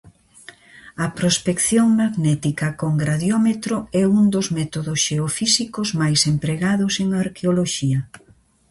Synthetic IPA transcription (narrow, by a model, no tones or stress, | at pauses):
ɐpɾospekθjoŋmaðnɛt̪ikɐkoŋɡɾaðjɔmet̪ɾoɛund̪ozmɛt̪oðʊsʃeofisikozmajsempɾeɣaðʊseŋaaɾkeoloʃiɐ